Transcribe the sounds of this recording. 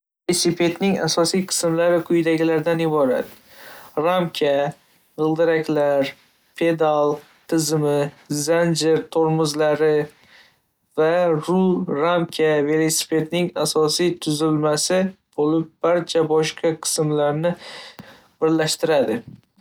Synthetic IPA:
velosipʰe̞t̪nɪŋa̰sɒsijqʰɨ̥smlaɾɪkʰʊjd̪aɡʲɪlaɾd̪anɪbɒɾa̰t̪ | ɾamkʲʰa | ʁɨlˠd̪ɪɾakʲlaɾ | pʰe̞d̪alˠ | t̪ʰɪzmɪ | zand͡ʒɪɾt̪ʰoɾmʊzlaɾɪ | vaɾʊɾamkʲʰave̞lˠesi̥pʰe̞t̪nɪŋasɒsijt̪ʰʊzɪlmasɪb̥olɪp̚b̥aɾt͡ʃʰabɒʃqʰɑqʰɨ̥smlaɾnɪ | b̥ɪɾlaʃt̪ɪɾad̪ɪ

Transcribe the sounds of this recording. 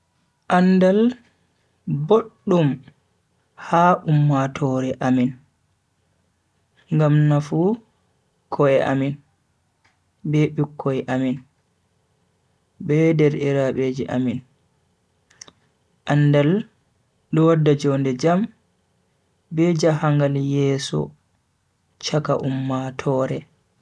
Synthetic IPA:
ʔandal | boɗːum | haʔumːatʰɔɾɛʔamin | ŋɡamnafu | kʰɔɛʔa̰min | bɛɓukʰːɔɛʔamin | bɛdɛɾʔiɾaɓeːd͡ʒiʔa̰min | ʔanːdal | ɗɔwadːad͡ʒɔndɛd͡ʒam | bɛd͡ʒahaŋɡaljɛːsɔ̰ | t͡ʃaka̰ʔumːatʰɔːɾɛ

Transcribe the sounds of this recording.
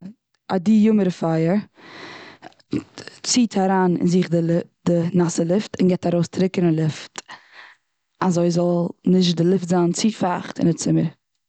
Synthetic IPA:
adijʊməɾəfaɪəɾ | t͡siːtʰaɾaːnɪ̰nziχdɪdɪnasəlˠɪftɪnɡɛtaɾoʊstɾɪkəɾnəlˠɪft | azoɪzɔlˠnɪʃ̬dɪlˠɪftzaːnt͡sifaχtɪ̰ndɪt͡sɪməɾ

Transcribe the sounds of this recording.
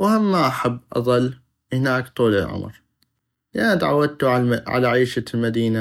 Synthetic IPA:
whamːaʔaħabːʔɑ̰ðˤɑlː | hɪnaːkt̪ˤuːlɪ̰lʕʊ̰mɾ | lɪʔanːt̪ʕa̰wːad̪̚t̪uʕa̰laʕiːʃalmad̪iːna

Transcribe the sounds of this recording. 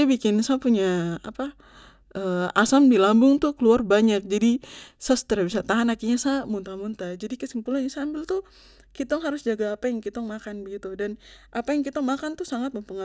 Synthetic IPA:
abikɪnsapuɲaa̰pa | əasamdilambʊŋt̪ʊkəluarbaɲak̚d͡ʒadisast̪əɾabisat̪aɦanakiɲasamunt̪amunt̪ad͡ʒadikəsimpulanasaːmbɪlt̪ʊ | kit̪ɔŋɦaɾʊsd͡ʒaɡaːpajaŋkit̪ɔŋmakanbəɡit̪udanʔapajaŋkit̪ɔŋmakant̪usaŋat̪̚məmpəŋa

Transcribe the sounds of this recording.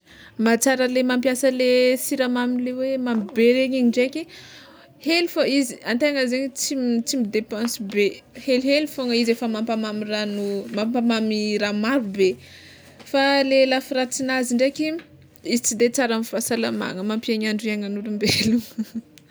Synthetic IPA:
mat͡saɾəlemampjasəlesiɾamamilewemamibeɾeɲiɲiɳɖ͡ʐekʲi | helifaiziant̪eŋəzeɲət͡simt͡simid̪epɑ̃sbehelɦelifoŋəizefəmampamamiranumampamamiɾamaɾube | falelafiɾat͡sinaziɳɖ͡ʐeki | izit͡sid̪et͡saɾanfasalama̰ŋəmampieɲaɳɖ͡ʐiaŋanulumbeluŋ

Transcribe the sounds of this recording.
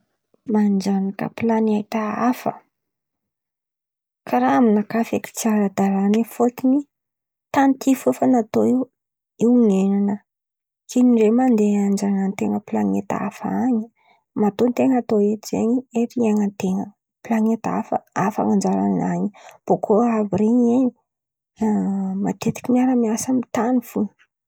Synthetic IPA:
mand͡ʒanakə̰pilaniait̪aafə̰ | kʰaɾaaminakafaki̥t͡siaɾad̪aɾanifok̪ini | t̪ant̪ʰifufanat̪oiw | iwŋenanə | kʰeniɳɖ͡ʐemand̪eand͡ʒanant̪eŋəpilaŋet̪a̰faɲi | mat̪ont̪eŋat̪oet̪izḛɲieɾieŋənt̪eŋə | pilaŋet̪a̰fə̰afa̰ŋand͡ʒaɾa̰naɲib̥okʰoaviɾeɲeɲi | mat̪et̪i̥kʲimiaɾəmiasamit̪anifun

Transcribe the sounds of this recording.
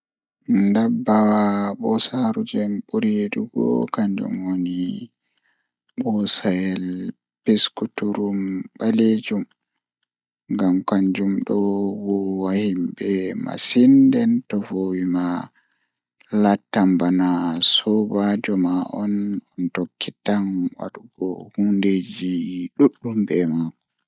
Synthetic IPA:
ndabːawaɓɔsaɾud͡ʒɛmɓuɾiɗuɡɔ̰kaɲd͡ʒṵmwoni | ɓɔsajɛl | pɛskutuɾumɓaled͡ʒum | ŋɡamkaɲd͡ʒumɗɔwɔwahimbɛma̰sindɛntɔvowima | latːambanasɔbad͡ʒɔmaʔɔnɔntokːitanwa̰ɗuɡɔ̰hunded͡ʒiɗuɗːumbɛmakɔ

